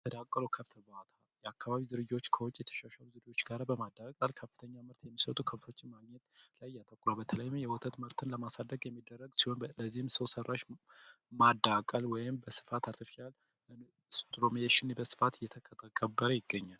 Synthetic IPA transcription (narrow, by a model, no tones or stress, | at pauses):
jt̪ʰəd̪akʼːəlokʰəβt̪ʰəbat̪ʰajɛakːaβaβizɨɾɨd͡ʒot͡ʃːkʰəwʊt͡ʃʼːjɛt̪ʰə̥ʃaʃaluzɨɾo̞t͡ʃːɡaɾbəmad̪ːakʼalkʰəfːɨt̪ʰəɲːamɨɾt̪jɛmːisət̪ʼukʰəβt̪ʰo̞t͡ʃːɪnmaɡɲɛt̪lajːat̪ʼəkʼːɾəbət̪ʰələjmmjɛwɔt̪ʰʼət̪mɨɾt̪ʰɨnləmasad̪ːəɡjɛmːid̪ːərːəɡsihonləzihɪmsəwsərːaʃ | mad̪akʼalwɔjɪmbəsɨ̥fat̪ʰat̪ʰɨfial | n | st̪ʼlomieʃɪnbəsɨ̥fat̪ɨjɛt̪ʰəkʼət̪ʼakʼːəbːəɾəjɪɡːəɲːal